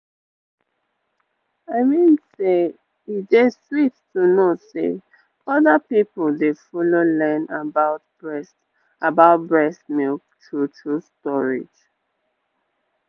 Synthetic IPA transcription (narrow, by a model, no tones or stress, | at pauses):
aɪmĩnse | ideswittunosḛ | ɔðapipəldefɔlolɛ̃nabaʊt̚bɛs | abaʊt̚bɹɛsmil | tʰɹutʰɹustɔɹḭd͡ʒ